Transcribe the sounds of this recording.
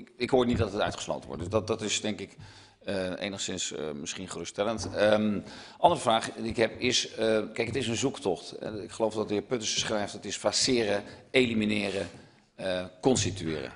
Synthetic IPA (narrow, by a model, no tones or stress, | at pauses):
kɪkɦʊːɹnit̚dɑtətœ̰ɥtχə̥slo̰wtənʋɔ̰t̚dəsdɑdɑtɪsdɛŋkɪk | əḛjnəχsɪnsmɪsχinχərøːstɛləntəmʔɑndərəvraːχdiɪkɦɛpɪskɛjkətɪsənzuktɔχtɛ̰ɪkχəlowfdɑtɪːpøtəsə̥sχrɛjftətɪsfasɪːɾəejliminɪːrə | əkɔnstityɪːrə̰